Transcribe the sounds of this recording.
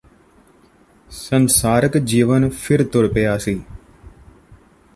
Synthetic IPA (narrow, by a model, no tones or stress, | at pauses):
sənsaːɾəkd͡ʒiːʋənpʰɪɾt̪ʊɽpəjaːsiː